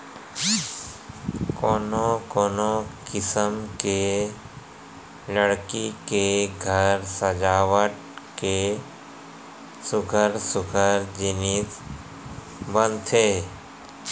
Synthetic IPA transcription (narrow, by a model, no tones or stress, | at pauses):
kɔːnokoːnokɪsəmke | ləɽkikeɡʱəɾsəd͡ʒaːwəʈ | ke | sʊɡʱəɾsʊɡʱəɾd͡ʒɪnis | bə̃nt̪ʰeː